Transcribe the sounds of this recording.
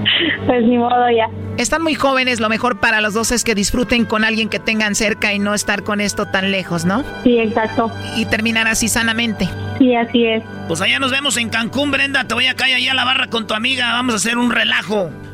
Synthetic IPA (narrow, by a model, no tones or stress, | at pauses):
pwesmimoðoʝaest̪anmujxo̞βe̞ne̞s̬lo̞me̞xo̞ɾpaɾalo̞zðo̞se̞ske̞ðisfɾut̪e̞ŋko̞nalɣje̞ŋke̞t̪e̞ŋɡanse̞ɾkaino̞est̪aɾko̞ne̞st̪o̞t̪anle̞xo̞sno̞sieksak̚t̪oit̪e̞ɾmĩnaɾasisanamẽ̞nt̪e̞siasies | pwesaʝano̞zβemo̞s̬e̞ŋkaŋkumbɾe̞nd̪at̪eβoajakajaʝalaβarako̞nt̪uamiɣaβamo̞sas̬e̞ɾunre̞laxo̞